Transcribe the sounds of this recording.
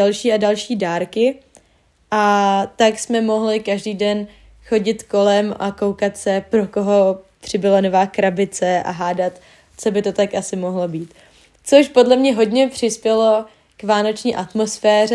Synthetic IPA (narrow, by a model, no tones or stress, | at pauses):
alʃiːadalʃiːdaːɾkɪ | ʔat̪aksmɛmo̞ɦlɪkaʒdiːdɛn | xo̞ɟɪt̪ko̞lɛmʔako̞wkat̪sɛpɾoko̞ɦo̞pr̥ɪbɪlonovaːkɾabɪt͡sɛʔa̰ɦaːdat̪ | t͡so̞bɪt̪o̞t̪akʔasɪmo̞ɦlo̞biːt̪ | t͡soʃpo̞dlɛmɲɛɦo̞dɲɛpr̝̥ɪspjɛlo̞ | kvaːno̞t͡ʃɲiːʔat̪mo̞sfɛːrɛ